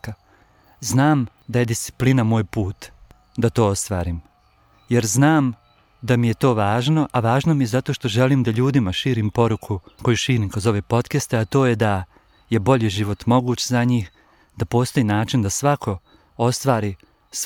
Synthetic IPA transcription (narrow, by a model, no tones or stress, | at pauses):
znaːmd̪aje̞d̪ist̪si̥plinamo̞ːjpuːt̪ | d̪at̪o̞ːost̪ʋaːɾiːm | je̞ɾznaːm | d̪amije̞t̪o̞ːʋaːʒno̞ʔaʋaːʒnomijezat̪oʃt̪o̞ʒe̞liːmd̪aʎuːd̪imaʃiːɾimpo̞ɾukʰuko̞juʃiːɾikɾo̞zo̞ʋe̞po̞t̪kest̪eat̪o̞ːjed̪a | je̞bo̞ʎiʒiʋo̞t̪mo̞ɡuːt͡ɕzaɲiːx | d̪apo̞ːst̪o̞jiːnaːt͡ʃind̪asʋakʰo̞ | o̞st̪ʋaːɾi | s